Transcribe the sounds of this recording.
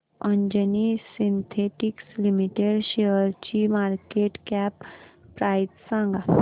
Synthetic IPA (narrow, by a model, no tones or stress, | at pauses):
əɲd͡ʑənisint̪ʰeʈikslimiʈeɽɕeəɾt͡ɕimaɾkeʈkæpːɾajitsãŋɡa